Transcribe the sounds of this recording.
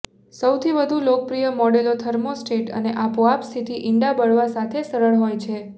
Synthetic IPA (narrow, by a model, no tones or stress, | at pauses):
səwt̪ʰiʋəd̪ʱulok̚pɾijəmɔɽelot̪ʰəɾmosʈeʈə̰neʔapoapst̪ʰit̪ʰiʔɪɳɖabəɽʋasat̪ʰesəɾəɭɦojt͡ʃʰe